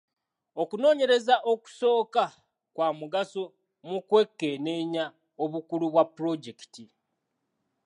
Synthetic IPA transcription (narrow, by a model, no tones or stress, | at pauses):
okuno̞ːɲe̞ɾezaʔo̞ku̥so̞ːka | kwaːmuɡaso | mukwe̞kːe̞ne̞ːɲa | oβukuluβwapːɾo̞ɟe̞ki̥ti